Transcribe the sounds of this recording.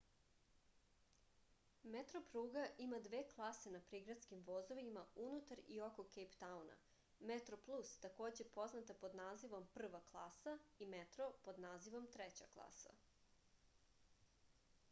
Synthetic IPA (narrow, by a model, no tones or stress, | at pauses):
met̪ɾo̞pɾuːɡaʔimad̪ʋeːklˠase̞napɾiɡɾat̪skimʋozoʋimaunut̪aɾio̞ko̞kejpt̪auna̰ | met̪ɾoplˠust̪ako̞ːd͡ʑe̞po̞znat̪apo̞d̪naːziʋo̞mpr̩ʋaklˠaːsaimet̪ɾopo̞d̪naːziʋo̞mt̪ɾet͡ɕa̰klˠa̰ːsa̰